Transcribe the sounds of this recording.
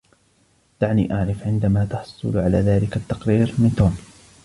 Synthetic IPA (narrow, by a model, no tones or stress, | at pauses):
d̪̥aʕnḭːʔaʕɾɪfʕɪnd̪amaːt̪ɑħsˤʊ̰lʕalaːðaːlɪkat̪ːɑqɾiːɾmɪnt̪oːm